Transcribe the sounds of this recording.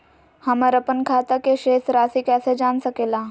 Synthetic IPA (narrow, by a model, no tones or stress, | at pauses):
hɐməɾɐpənkʰaːt̪akeʃeːsɾaːsikɛːsed͡ʒaːnsɐkeːlaː